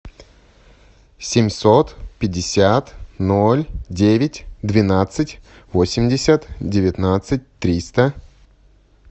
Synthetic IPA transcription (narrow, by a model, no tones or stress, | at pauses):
sʲɪmʲsot̪pʲɪdʲːɪsʲat̪nolʲdʲevʲɪtʲd̪vʲɪnat̪sɨtʲ | vosʲɪmʲdʲɪsʲət̪dʲɪvʲɪt̪nat̪sɨt̚ʲt̪ɾʲist̪ə